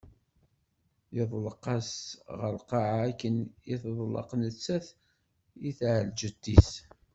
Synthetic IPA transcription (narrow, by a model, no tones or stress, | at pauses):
jəðˤlqɑsʁəɾqɑʕaːkːənjɪθəðˤlə̰qnət͡sːæθ | jiθʕəld͡ʒət̪ːis